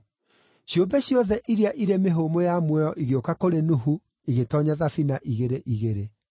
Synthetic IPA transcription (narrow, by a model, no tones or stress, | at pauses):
ɕjombɛɕjɔðɛʔiɾiaʔiɾemeɦoːmojamwɛɔʔiɣeokakoɾenuɦu | iɣetɔɲaðafinaʔiɣeɾeʔiɣeɾe